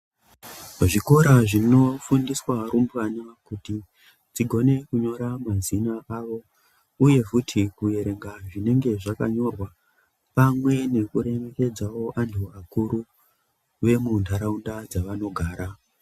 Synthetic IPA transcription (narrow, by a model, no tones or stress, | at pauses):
ʐiko̞ɾaʐino̞fundiswaɾumbɣanakuti | d͡ziɡʱo̞ne̞kuɲo̞ɾamazinaʔaʋo̞ | uje̞kutʰikuje̞ɾe̞ŋɡaʐine̞ŋɡe̞ʐaka̰ɲo̞rwa | pamwe̞ne̞kuɾe̞me̞ke̞d͡zawo̞ʔantʰuakuɾu | ʋe̞mundʱaɾaundad͡zaʋano̞ɡʱaːɾa